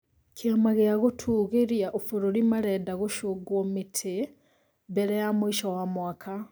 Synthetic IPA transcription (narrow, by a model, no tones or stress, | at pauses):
kʰeamaɣeaɣotʰuːɣeɾjaʔofoɾoɾimaɾɛːdaɣoʃoɡwɔmetʰe | bɛɾɛjamoiʃɔwamwakʰa